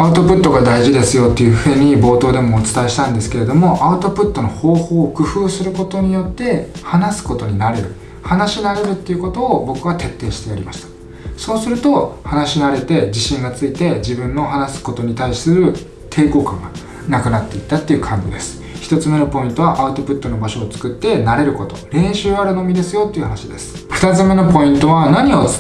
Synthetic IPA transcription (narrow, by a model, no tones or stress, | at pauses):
aɯ̟t̪o̞pɯ̟t̪ːo̞ɡad̪aiʑid̪e̞sɨjo̞t̪ːe̞jɯ̟ɸɯeɲ̟ibo̞ːt̪o̞ːd̪e̞mo̞ːt͡sɨ̥t̪ae̞ɕi̥t̪ãnd̪e̞sɨ̥keɾe̞d̪o̞mo̞ʔaɯ̟t̪o̞pɯ̟t̪ːo̞no̞ho̞ːho̞ːkɯ̟ɸɯːsɨɾɯ̟ko̞t̪o̞ɲ̟ijo̞t̪ːe̞hanasɨ̥ko̞t̪o̞ɲ̟inaɾe̞ɾɯ̟ | hanaɕinaɾe̞ɾɯ̟t̪ːe̞iɯ̟ko̞t̪o̞ːbo̞kɯ̟βat̪e̞t̪ːe̞ːɕi̥t̪e̞jaɾʲimaɕi̥t̪ḁ | so̞ːsɨɾɯ̟t̪o̞hanaɕinaɾe̞t̪e̞d͡ʑiɕĩŋɡat͡sɨit̪e̞d͡ʑibɯ̟̃nːo̞ɦanasɨ̥ko̞t̪o̞ɲ̟it̪ai̥sɨɾɯ̟ | t̪ʰe̞ːko̞ːkãŋɡa | nakɯ̟nat̪ːe̞it̪ːat̪ːejɯ̟kʰãɲbʲid̪e̞sɨ̥ | çi̥t̪o̞t͡sɨme̞no̞po̞ĩnt̪o̞βaʔaɯ̟t̪o̞pɯ̟t̪ːo̞no̞baɕo̞ːt͡sɨ̥kɯ̟t̪ːe̞naɾe̞ɾɯ̟ko̞t̪o̞̰ɾẽ̞ɰ̃ɕɨːaɾɯ̟no̞mʲid̪e̞sɨjo̞t̪ːeiɯ̟hanaɕid̪e̞sɨ̥ɸɯ̟̥t̪at͡sɨme̞no̞po̞ĩnt̪o̞βanaɲ̟io̞t͡s